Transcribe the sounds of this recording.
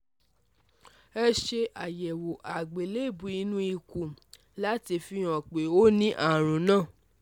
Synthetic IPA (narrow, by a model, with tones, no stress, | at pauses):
ɛ˧ʃe˧ʔa˨jɛ˨wo˨ʔa˨ɡ͡be˨le˦˨bu˨˦i˧nũ˦i˧ku˨ | la˦ti˧fi˧j̃ɔ̃˨k͡pe˨o˦nĩ˦ʔa˦˨ɾ̃ũ˨˦nãː˦˨